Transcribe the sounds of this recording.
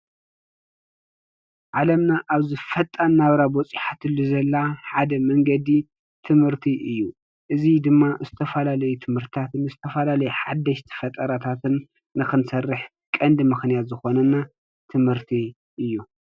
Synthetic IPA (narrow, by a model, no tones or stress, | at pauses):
ʕalɐmnaʔaβzɨfɐt̪ʼːanːaβɾabɔt͡sʼiħat̪ɨlːuzɐlːaħad̪ɐmɐŋɡɐd̪i | t̪ʰɨmhɨɾt̪ʰiʔɨjːu | ʔɨzid̪ɨmːazɨt̪ʰɐfɐlalɐjut̪ʰɨmhɨɾt̪ʰt̪ʰat̪ɨnɨzɨt̪ʰɐfɐlalɐjuħad̪ːɐʃt̪ʰɨ̥fɐt̪ʼɐɾat̪ʰat̪ʰɨnː | ɨxɨnsɐrːɨħ | kʼɐnd̪mɨxnijat̪zɨxo̞nɐnːa | t̪ʰɨmhɨɾt̪ʰi | ʔɨjːu